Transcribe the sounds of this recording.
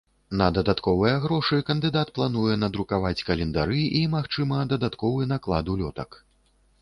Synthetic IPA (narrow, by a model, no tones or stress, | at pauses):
nɐd̪ɐd̪at̪kɔvɨjɐɣɾɔʂɨkɐnd̪ɨd̪at̪plˠan̪ujɛnɐd̪ɾukavat͡sʲkɐlʲɛnd̪aɾɨimaxt͡ʂɨmɐd̪ɐd̪at̪kɔvɨnaklˠad̪ulʲɔt̪ɐk